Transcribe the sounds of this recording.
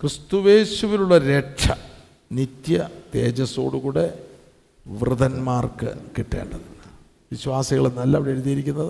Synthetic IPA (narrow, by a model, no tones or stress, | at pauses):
krɨst̪uʋe̞ːɕuʋiluɭːɐɾeʈʂɐ | nit̪jɐt̪e̞ːd͡ʑɐso̞̰ːɽukuːɽe̞ | ʋrɨðɐnmaːrkɨ̰kiʈːe̞̰ːɳɖɐninːɨ | ʋiɕwaːsiɣɐɭnɐlːɐʋiɽeːɾuðijiɾikʲːunːɐðɨ